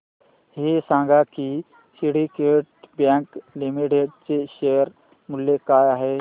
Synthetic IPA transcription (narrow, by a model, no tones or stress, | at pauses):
ɦesãŋɡʱaki | siɽikeʈ̚bjãŋklimiʈeɖt͡seɕejəɾ | muljekaːjaɦe